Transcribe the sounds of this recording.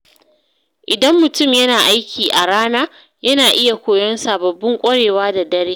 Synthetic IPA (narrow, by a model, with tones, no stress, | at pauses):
ʔɪ˨dɐ˦mːʊ˨tʊ˦˨mjɐ˦naː˨ʔa˦jkʲʰiː˨ʔa˨ɽaː˦naː˦ | jɐ˦naː˨ʔɪ˦ja˨kʷoː˨jɔ˦nsaː˨bɐ˨bːʊ˦ŋkʷʼɐ˦ɽeː˨waː˦da˨dɐ˦ɾeː˦